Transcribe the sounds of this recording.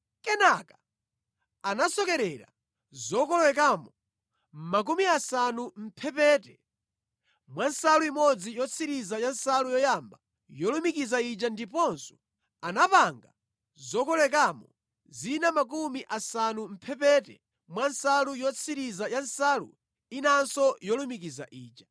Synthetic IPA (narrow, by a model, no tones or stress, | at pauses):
kɛnakḁ | anasɔkɛɾɛɾa̰ | zɔkɔlwɛk̬aːmɔ | m̩mak̬umiasanum̩pʰɛpɛːtɛ | mwansaluimɔd͡zijɔt͡sʰiɾizajan̩salujɔjamba | jɔlumikizait͡ʃandipɔnsɔ̥ | anapaŋɡa̰ | zɔkɔlwɛk̬aːmɔ | zinamak̬umiʔasanum̩pʰɛpɛːtɛ | mwansalujɔt͡sʰiɾizajansaːlṵ | inansɔjɔlumikiza̰ʔiːt͡ʃa